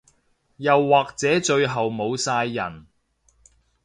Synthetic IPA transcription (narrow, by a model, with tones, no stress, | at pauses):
jɐ˨wːaː˨k̚t͡sɛː˨˥t͡ʃɵ˧ɥɦɐ˨wmo˨˧wsaː˧jːɐ˨˩n